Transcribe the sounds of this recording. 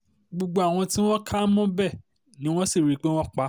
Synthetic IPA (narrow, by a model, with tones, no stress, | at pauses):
ɡ͡bo˨ɡ͡bo˧a˦˨w̃ɔ̃˧tĩ˦w̃ɔ̃˦kʰa˦mɔ̃˦bɛ˦˨ | nĩ˨˦w̃ɔ̃˦si˦˨ɾi˨˦k͡pe˦w̃ɔ̃˦k͡pa˦